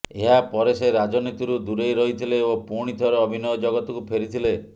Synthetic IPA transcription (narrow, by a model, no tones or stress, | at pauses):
eɦapɔɾeseɾad͡ʒɔnit̪iɾud̪uɾejɾɔɦit̪ʰileopuɽ̃it̪ʰɔɾɔɔbʱinɔjɔd͡ʒɔɡɔt̪ɔkupʰeɾit̪ʰile